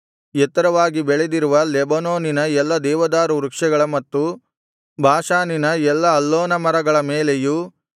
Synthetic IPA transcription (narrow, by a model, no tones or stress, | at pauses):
jɛt̪ːɐɾɐʋaːɡibɛɭed̪iɾuʋɐlɛbɐnoːninɐɛlːɐd̪ɛːʋɐd̪aːɾuɾukʂɛɡɐɭɐmɐt̪ːu | bʱaːʃaːninɐɛlːɐɐlːoːnɐmɐɾɐɡɐɭɐmeːleju